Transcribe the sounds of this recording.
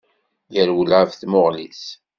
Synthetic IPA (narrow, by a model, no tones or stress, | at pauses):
jəɾwəlʕəvθmoʁlis